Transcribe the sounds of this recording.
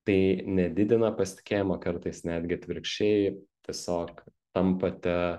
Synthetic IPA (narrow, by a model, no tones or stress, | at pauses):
t̪ɐɪnʲɛd̪ʲɪd̪ʲɪnɐpɐsʲɪ̥t̪ʲɪ̥kʲeːjɪmokɐɾt̪ɐɪsnʲæːd̪ʲɡʲɪt̪ʲʋʲɪɾʲkʃʲt͡ʃʲɛɪt̪ʲiɛsʲoːkt̪ɐmpɐt̪ʲɛ